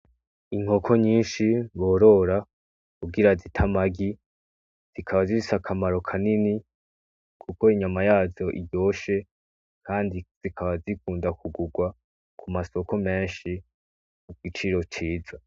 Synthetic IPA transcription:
iŋ̥ho̞kʰo̞ɲiːnʃiβo̞ːɾo̞ɾa | kuɡiɾazitʰamaɡi | z̥ikʰaβaziisakʰamaɾo̞kʰanini | kʰuko̞iɲamajaːzo̞ʔḭɟo̞ːʃe̞ | kʰaːndiz̥ikʰaβazikuːndakuɡuɡwa | kumaso̞ko̞me̞ːnʃi | muɡit͡ʃiɾo̞t͡ʃiːza

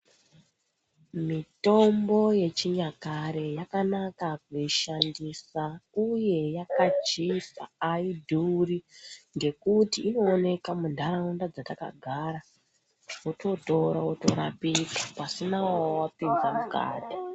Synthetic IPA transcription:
mito̞mbo̞je̞t͡ʃiɲakaɾe̞jakanakakuiʃandisauje̞jakat͡ʃisa̰ːidʱuriŋɡe̞kutiːno̞ːne̞kamundʱaɾaundad͡zataka̰ɡʱaɾa | oto̞to̞ɾaoto̞ɾapid͡zapasinawwapind͡zamuka̰ːdʱa

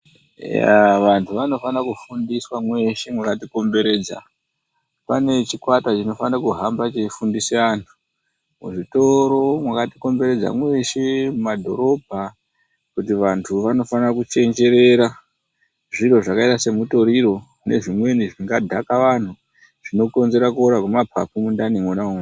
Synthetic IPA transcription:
ja̰ʋantʰuʋano̞fanakufundiswamwe̞ʃemwakatiko̞mbe̞ɾe̞ːd͡za̰ | pane̞t͡ʃikwatat͡ʃino̞fanakuɦambat͡ʃefundiseantʰu̥ | mṵʐito̞ɾo̞mwakatiko̞mbe̞ɾe̞d͡za̰mwe̞ʃe̞mumadʱo̞̰ɾo̞bʱa | kutiʋantʰuʋano̞fanrakut͡ʃe̞nd͡ʒe̞ɾe̞ɾa | ʐiro̞ʐakaitase̞muto̞ɾiɾo̞ | ne̞̰ʐimwe̞niʐiŋɡadʱakaʋan̤u | ʐ̥inoko̞nze̞ɾakuoɾakwemapʰa̰pumundanimonauŋu

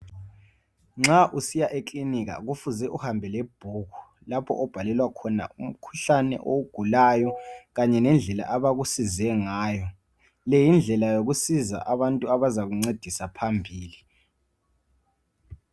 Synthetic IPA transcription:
ŋ͡ǁaʔusijaʔekʼlinika̰ɣ̬ufuzɛʔuhambʱɛlɛb̥ʱuːku̥ | lapʰɔ̰ʔɔb̥ʱalɛlwakʰɔna̰um̩kʰu̥ɬanɛ̰ʔowuɡ̥ʱulajɔɣaɲɛnɛnd͡ɮʱɛla̰ʔaβaɣusizɛŋaːjɔ | lɛjind͡ɮʱɛlajok̬usiza̰ʔaβantʼuaβazaɣuŋ͡ǀed̥ʱisapʰambʱiːli

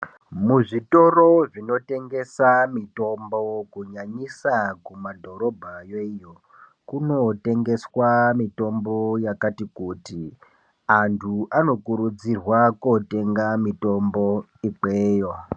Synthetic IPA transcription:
muʐito̞ro̞ʐino̞te̞ŋɡe̞samito̞mbo̞kuɲaɲisakumadʱo̞ɾo̞bʱajoijo | kuno̞te̞ŋɡe̞swamito̞mbo̞jakatikuːti | antʰuʔano̞kuɾud͡zirwakote̞ŋɡamito̞mbo̞ | iǃeːja

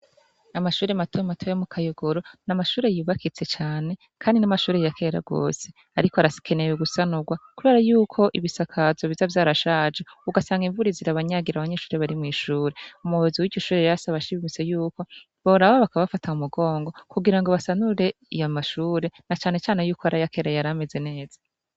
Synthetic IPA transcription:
amaʃuːɾe̞matʰojematʰojemukʰajoɡoɾo̞namaʃuːɾe̞juːβakit͡se̞t͡ʃaːne̞ | kʰaːndinamaʃuːɾejakʰe̞ɾa̰ɡo̰ːse̞ | aɾikoaɾaskʰe̞neweɡusanuɡwakuβeɾajuːkʰo̞ʔiβisakʰazoβizavjaːɾaʃaːd͡ʒeuɡasaːŋɡiɱvuɾiziɾaβaɲaɡiɾaβaɲeːʃuːɾe̞βaɾimŋiːʃuːɾe̞umuhoziwiɟo̞ʃuːɾe̞jaasaβaʃiβimit͡sejuːko̞ | βoɾaβaβakaββafatʰaumuɡo̞ːŋɡo̞kuɡiɾaŋɡoβasanuɾe̞ | ijamaʃuːɾe̞nat͡ʃaːne̞t͡ʃaːne̞juːkoaɾʔajake̞ːɾajaɾame̞ze̞ne̞ːz̥ḁ

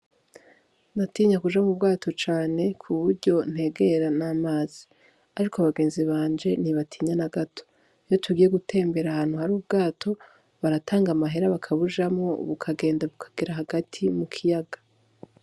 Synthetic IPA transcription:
natiːɲakuʒamubɡaːto̞t͡ʃaːne̞kʰuβuɾɟo̞n̥he̞ɡe̞ɾanamaːz̥i | aɾikʰoaβaɡe̞ːnziβaːnd͡ʒe̞niβatʰiːɲanaɡatʰo̥ | jotʰuɡiːje̞ɡutʰe̞ːmbe̞ɾahaːn̥huhaɾuːbɡaːtʰo̞ | βaɾataːŋɡamaɦe̞ɾaβakʰaβuʒamŋo̞̰βukʰaɡe̞ːndaβukʰḁɡ̥eɾaɦaɡatʰimukʰijaɡḁ

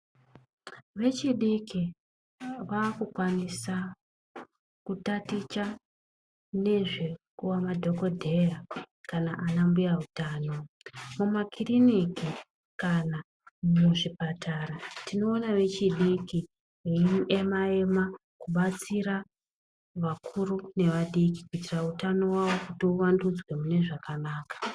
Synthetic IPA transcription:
ʋe̞t͡ʃiɗiki | ʋakukwanisa | kutatit͡ʃa | ne̞ʐe̞kuwamadʱo̞ko̞dʱe̞ja | kanaʔanambujautaːno̞ | mumakiriniki | kana | muʐipatʰaːɾatʰino̞ːnaʋe̞t͡ʃiɗiki | iime̞mae̞ma | kuɓat͡siɾa | ʋakʰurune̞ʋaɗikikuitirautano̞wawo̞kutiuʋandud͡zwe̞mune̞ʐakanaːkḁ

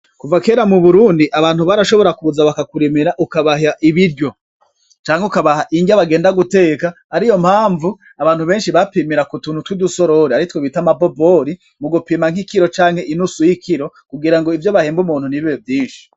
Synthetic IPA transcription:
kuvake̞ːɾamuβuɾuːndiʔaβaːn̥huβaɾaʃo̞βo̞ɾakuzaβakakuɾimiɾaʔukaβaɦaʔiβiɾɟo̞ | t͡ʃaːŋheukaβaɦaʔiɲɟaβaɡeːndaɡute̞ːka | aɾijo̞m̥haːɱvu | aβaːn̥huβe̞ːnʃiβapimiɾakutuːnhutwiduso̞ɾo̞ɾeaɾitwoβitamabo̞bo̞ɾi | muɡupiːmaŋhikiɾo̞t͡ʃaːŋ̥he̞ʔinusujikʰiɾo̞ | kuɡiɾaŋɡo̞ivjoβaheːmbumuːnhuniβiβevjiːnʃi̥

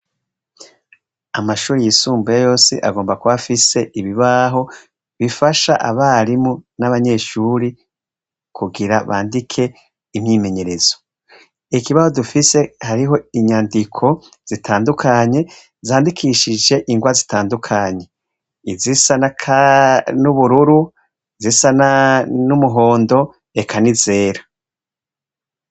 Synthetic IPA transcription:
amaʃuːɾijisuːmbujajo̞ːsḭʔa̰ɡo̞ːmbakuβafise̞ʔiβiβaɦo̞ | βifaʃaʔa̰βaɾimunaβaɲe̞ʃuːɾi | kʰuɡiɾaβaːndikʰe̞ | imɲiːme̞ɲe̞ɾe̞z̥o̞̥ | ikiβaho̞dufise̞haɾiɦo̞iɲaːndikʰo̞ | z̥itʰaːndukʰaɲe̞ | zaːndikʰiʃid͡ʒe̞ʔiŋɡwazi̥taːndukʰaɲe̞ | izisanakʰanuβuɾuɾu | izisananumuɦo̞ːndo̞ | ekʰanize̞ːɾḁ

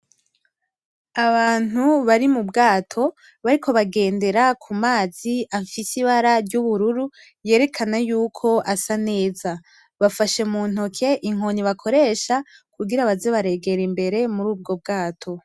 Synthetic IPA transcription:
aβaːn̥uβaɾimubɡaːtʰo̞ | βaɾikʰo̞βaɡe̞ːnde̞ɾakʰumaːziafisiβaɾaɾɟuβuɾuɾu | je̞ːɾe̞kʰanajuːkʰo̞ʔasane̞ːza | βafaʃe̞muːn̥okʰe̞ʔiŋoniβakʰo̞ɾe̞ːʃakuɡiɾaβaze̞βaɾe̞ɡe̞ɾimbe̞ɾe̞muɾuːb̚ɡo̞b̚ɡaːtʰo̞

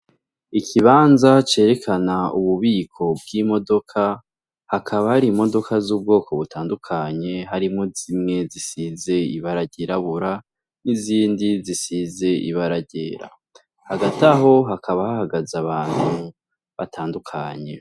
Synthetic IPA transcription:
ikʰiβaːnzat͡ʃe̞ːɾe̞kʰanauβuβiːkʰo̞b̚ɡimo̞do̞kʰa | hakʰaβahaɾimo̞do̞kʰazuːb̚ɡo̞ːkoβutaːndukʰaɲe̞ɦaɾimozimŋe̞zisize̞iβaɾaɟeɾaβuɾa | niziːndizisize̞ḭβaɾaɟeːɾa̰ | haɡataɦo̞ɦakʰaβahahaɡazaβaːn̥hu | βatʰaːndukʰaɲe̞

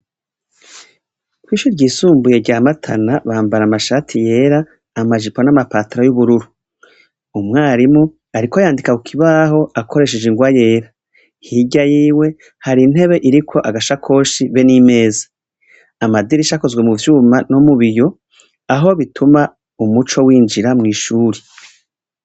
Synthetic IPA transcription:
kwiːʃuɾɟiːsuːmbuje̞ɟaːmatʰanaβaːmbaɾamaʃatʰije̞ːɾaː | maʒiponamapatiɾojuβuɾuɾu | umŋaːɾimu | aɾikojaːndikakukʰiβaːɦo̞akʰo̞ɾe̞ʃed͡ʒeŋɡwaje̞ːɾa | hiɟajiːwe̞ | haɾiːn̥e̞βe̞ʔiɾikʰo̞ʔaɡaʃakʰo̞ːʃiβe̞nime̞ːzḁː | madiɾiʃako̞zɡwe̞muvjuːmanomuβijo̞ | aɦo̞βitʰuma | umut͡ʃo̞wiːnd͡ʒiɾamŋiːʃuːɾe

